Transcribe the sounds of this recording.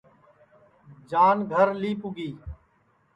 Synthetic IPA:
d͡ʒaːnɡʱəɾliːpʊɡiː

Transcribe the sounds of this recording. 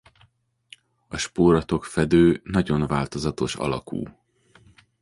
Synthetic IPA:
ɒʃpoːɾɒt̪o̞kfɛd̪øːnɒɟo̞nvaːlt̪o̞zɒt̪o̞ʃɒ̰lɒ̰kṵː

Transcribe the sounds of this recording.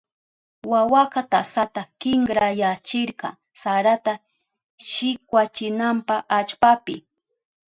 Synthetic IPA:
wawakɑt̪asat̪akɪŋɡɾajat͡ʃɪɾɢɑ̰ | saɾat̪a | ʃɪkwat͡ʃɪnampaat͡ʃpapɪ̰

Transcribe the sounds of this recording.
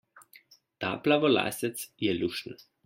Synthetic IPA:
t̪a̰ːplaʋɔla̰ːsʲɛt̪sjɛlʲuʃn

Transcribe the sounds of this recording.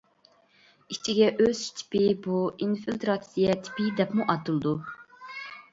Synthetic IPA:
it͡ʃʰiɡʲɛʔøz̥i̥t͡ʃ̪ʰi̥pʰɪbuinfilt̪ʰɾɑsijɛt̪ʰi̥pid̪ɛpmuʔɑt̪ʰɨlˠɨd̪u

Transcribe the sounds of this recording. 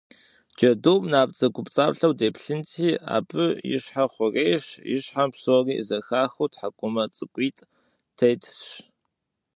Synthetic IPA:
d͡ʒɐdoːpʼnaːp̚t͡sʼɐɡʷʼʊpt͡sʼaːpɬɐwdeːpʰɬɨntʰiːʔa̰ːbɨjɪ̰ɕħaχʷʊreːɕjɪ̰ɕħampsoːriːzɐxaːxʊtħakʷʼʊmɐt͡sʼɨkʷʼiːtʼ | tʰejtʰɕ

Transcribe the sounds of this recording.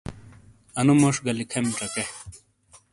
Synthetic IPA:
ɐnumɐʂɡɐlikʰɐmiʈ͡ʂɐke

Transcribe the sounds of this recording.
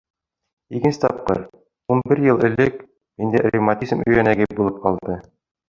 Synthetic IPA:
ikɘ̆nsɘ̥̆t̪ɒp̚qɤ̰ɾ | unbɘɾjɤlˠɘ̆lɘk | mind̪ærimat̪ʲizmɵ̆jænæɡɘbulˠɤp̚qɒlˠd̪ɤ

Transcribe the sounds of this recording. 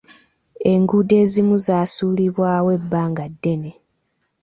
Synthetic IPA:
e̞ŋɡude̞ːzimuzaːsuːliβwaːwe̞bːaːŋɡadːe̞ne̞

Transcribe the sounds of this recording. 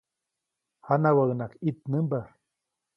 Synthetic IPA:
hanawaɣnakit̪̚nɨmba

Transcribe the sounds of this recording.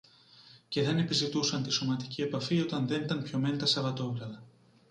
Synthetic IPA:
ce̞ðe̞ne̞pizit̪usɐnt̪iso̞mɐt̪icie̞pɐfio̞t̪ɐnðe̞nit̪ɐnpço̞me̞nt̪ɐsɐvɐt̪o̞ɣɾɐðɐ

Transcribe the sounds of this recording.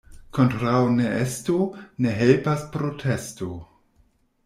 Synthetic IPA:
kʰo̞ntɾawneestone̞ɦelpaspɾotʰe̞sto

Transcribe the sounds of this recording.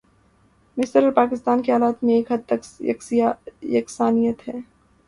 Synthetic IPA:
mɪsəɾɔːɾpaːkɪst̪aːnkiɦaːlaːt̪mẽeːkɦɐd̪̚t̪ɐkɐkjɐksaːnijət̪ɦɛː

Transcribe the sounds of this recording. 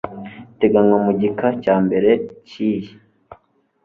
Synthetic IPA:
te̞ɡaŋomuɟikacaːmbe̞ɾe̞ciːji

